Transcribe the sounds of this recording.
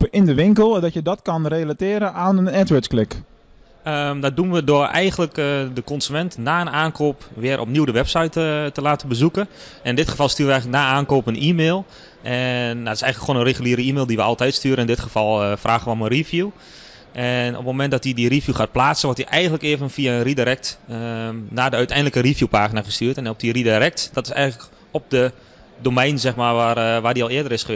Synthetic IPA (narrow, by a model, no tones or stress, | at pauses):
ɪndəʋɪŋkəlˠdɔtjədɔtkɔnrelatɪːɾəʔaːnəɛtʋətsklɪk | əmdɔt̚dunʋədʊəʔɛ̰jɣənləkdəkɔnsymɛntnaːənaːnkʰoːpʋɪəɾʔɔ̰pniwdəʋɛpsajttːəlaːtəbəzukə | ɛnɪndɪtxəfɑlˠstyːrʋəɛjɣələknaːaːnkoːpənʔiːmeːlˠ | ʔɛndɔtɪ̥sɛjɣənləkʰːχoːnənreɣyliəɾəiːmeːlˠdiʋəɑlˠtɛjtstyəɾəɪndɪtχəfɔlˠfraːɣəʋəomənrifju | ʔɛno̰pmomɛnt̚dɔtidirivjuxaːt̚plaːtsənʋɔrtiʔɛjɣəndləkɪəvənfiaənridiɾɛk̚tənaːdəœɥtɛjndləkərifjupaːxinaɣəstyːtɛnɔp̚diridiɾɛk̚tdɔtɪ̥sɛ̰jɣən̩tlək | ɔp̚də | doːmɛjnzɛxmaːʋaʋaːdiɔlˠɪədəɾɪsxə